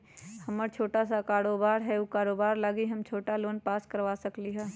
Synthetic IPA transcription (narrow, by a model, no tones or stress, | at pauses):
hɐməɾt͡ʃʰoːʈasakaːɾoːbaːɾɦɛukaːɾoːbaːɾlaɡiɦɐmt͡ʃʰoːʈaloːnpaːskɐɾʋaːsɐkliɦɛː